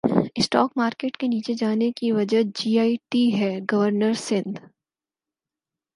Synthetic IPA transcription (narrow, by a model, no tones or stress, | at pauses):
ɪsʈɔːkmaːɾkeːʈkeniːt͡ʃed͡ʒaːnekiʋɐd͡ʒəd͡ʒiːaːiʈiɦɛːɡɐʋəɾnəɾsɪ̃nd̪